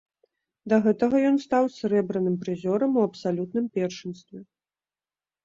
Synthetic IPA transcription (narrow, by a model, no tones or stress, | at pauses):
d̪ɐɣɛt̪ɐɣɐjɔnst̪awsʲɛɾɛbɾɐnɨmpɾɨzʲɔɾɐmuɐpsalʲut̪̚nɨmpʲɛrʂɨnst̪vʲɛ